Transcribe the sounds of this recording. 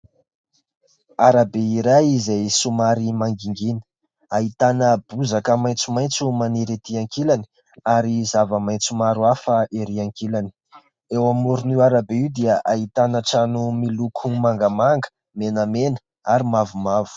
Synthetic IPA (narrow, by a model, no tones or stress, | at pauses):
aɾabeiɾajizasumaɾimaŋɡiŋɡinə̥ | aɦit̪anəb̥uzakəmaj̃nt͡sumajnt͡sumaniɾet̪iaŋkilani̥ | aɾizavəmajnt͡sumaɾuafəʔeɾiaŋkilani̥ | ewamuɾuniwaɾabeiwd̪iəʔait̪anəʈ͡ʂanumilukʰumaŋɡəmaŋɡə̥ | menəmenə̥ | aɾimavumavu̥